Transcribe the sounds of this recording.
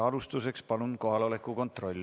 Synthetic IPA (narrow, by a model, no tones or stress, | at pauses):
ɑlust̪use̞kspɑlunko̞ɦɑlo̞le̞kːˑuko̞nt̪ˑro̞lʲː